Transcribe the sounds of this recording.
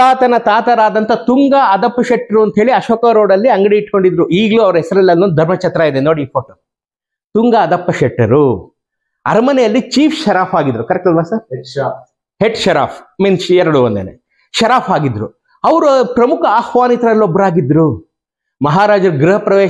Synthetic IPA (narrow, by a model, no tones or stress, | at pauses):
aːt̪ɐnɐt̪aːt̪ɐɾaːd̪ɐnt̪ɐt̪uŋɡaɐd̪ɐpːɐʃɛʈːɐɾuɐnt̪ɦeːɭiɐʃoːkɐɾoːɽɐlːiɐŋɡɐɽiiʈkoɳɖid̪ɾuiːɡluɐʋɐɾɐɦɛsɐɾɐlːɐlnond̪ʱɐɾmɐt͡ʃɐt̪ɾaːid̪enoːɽiːpʰoːʈo | t̪uŋɡaːd̪ɐpːɐʃɛʈːɐɾu | ɐɾmɐnɛjɐlːit͡ʃiːpʰʃɐɾaːpʰaːɡid̪ɾukɐɾɛk̚t̪ɐd̪ʋaːsɐɾ | ɦeʈʃɐɾa̰ːpʰmiːnsɛɾɐɽuʋɐnd̪ḛnḛ | ʃɐɾaːfʰaːɡid̪ɾṵ | ɐʋɐɾupɾɐmukʰɐaːxʋaːnit̪ɾɐlːobːɐɾaːɡid̪ɾu | mɐɦaːɾaːd͡ʒɐɾɡɾuɦɐpɾɐʋeɛː